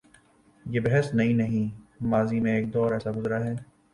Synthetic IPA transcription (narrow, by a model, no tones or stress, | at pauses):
jebɛɦɛsnɐɦĩnɐɦĩmaːzimẽeːk̚d̪ɔːɾɛːsaɡʊzɾaɦɛː